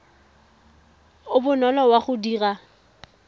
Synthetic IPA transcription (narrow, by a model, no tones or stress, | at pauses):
ʊbʊnɔlɔwaχʊdiːra